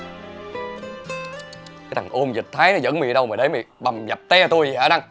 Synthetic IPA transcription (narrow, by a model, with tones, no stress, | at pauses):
kaː˨˦t̪ʰa˨˩ŋʔo˧mzi˨˩t̚t̪ʰaː˨˦jnɔ˨˦zə̰˧˥nmḭ˧˨ɗə˧wməː˨˩ɗə˨˦jmḭ˧˨ɓa˨˩mza˨˩p̚t̪ɛ˧t̪u˧ji˨˩ha̰ː˨˧˦ɗa˧ŋ